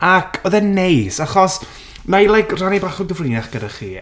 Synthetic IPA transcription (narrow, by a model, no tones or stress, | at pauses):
akʰɔðɛnejsaχɔs | majlˠajkranibaχʊnɡəvrɪnaχɡ̥ədaχḭː